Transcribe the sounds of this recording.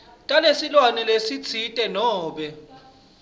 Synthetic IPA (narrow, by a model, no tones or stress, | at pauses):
tʼalesilwanɛlesit͡sʰitʼɛnɔːɓɛ